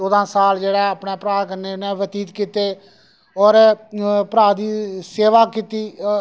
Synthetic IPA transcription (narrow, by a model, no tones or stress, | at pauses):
oːd̪ãːsaːld͡ʒeːɽaːəpneːpəɾaːkəɾneːneːʋət̪iːt̪kiːt̪eː | ɔːɾpəɾaːd̪iːseːʋaːkit̪iː